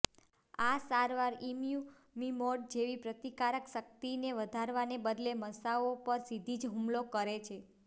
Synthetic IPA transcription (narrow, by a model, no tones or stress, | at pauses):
asaɾʋaɾimju | mimoɖ̚d͡ʒeʋipɾət̪ikaɾəkʃək̚t̪ineʋəd̪ʱaɾʋanebəd̪leməsaopəɾsid̪ʱid͡ʒɦũmlokəɾet͡ʃʰe